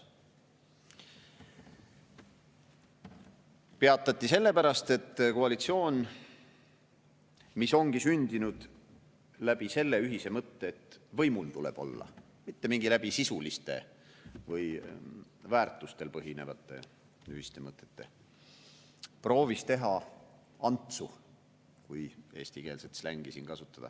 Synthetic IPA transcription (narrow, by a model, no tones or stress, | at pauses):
pe̞ɑt̪ˑːɑt̪ːˑise̞lːe̞pæɾɑst̪e̞t̪ːˑkoɑlit̪sio̞ːn | miso̞ŋɡisynʲd̪̥inud̪̥ | læb̥ise̞lːe̞yɦise̞mɤt̪ːeːt̪ːˑvɤjmult̪ulḛb̥o̞̰lːɑ̰ | mit̪ːe̞miŋɡilæb̥isisulist̪e̞̰ | vɤj | væːrt̪ːˑust̪e̞lpɤɦine̞vɑt̪ːˑe̞̰ | yɦist̪e̞mɤt̪ːˑe̥t̪ːe̞̰ | pro̞ːvist̪e̞ɦɑ | ɑnt̪su | kujeːst̪ike̞ːlset̪slæŋɡ̥isḭːnkɑsut̪ːˑɑd̪̥ɑ̰